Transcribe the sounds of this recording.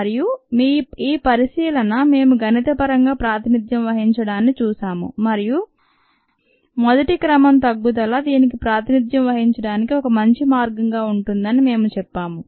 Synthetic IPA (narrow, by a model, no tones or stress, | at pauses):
ɐɾijumiːiːpɐɾisiːlɐnɐme̞ːmuɡɐnit̪ɐpɐɾɐŋɡaːpɾaːt̪inid̪jɐmʋɐɦiɲt͡ʃɐɽaːnit͡ʃuːʃaːmṵmɐɾiju | mɔd̪ɐʈikɾɐmɐmt̪ɐɡːut̪ɐlɐd̪iːnik̬ipɾaːt̪inid̪jɐmʋɐɦiɲt͡ʃɐɽaːnikiɔkɐmɐɲt͡ʃimaːɾɡɐŋɡaːuɳʈund̪ɐnime̞ːmut͡ʃɛpːaːmu